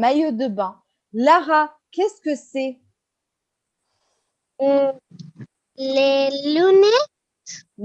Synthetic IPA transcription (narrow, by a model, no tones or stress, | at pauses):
majod̪əbɑ̃ | laʁa | kʲɛskəsɛ | lelunɛt̪ | m